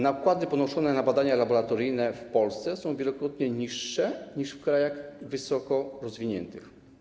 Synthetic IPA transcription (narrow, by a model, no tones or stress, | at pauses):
nakwad̪ɘpɔnɔʂɔnɛnabad̪aɲalabɔɾat̪ɔɾɘjnɛfpɔlst̪sɛsɔ̃w̃vʲjɛlɔkɾɔt̪ɲɛɲiʂːɛɲiʂfkɾajaɣvɘsɔkɔɾɔzvʲiɲɛ̰nt̪ɘx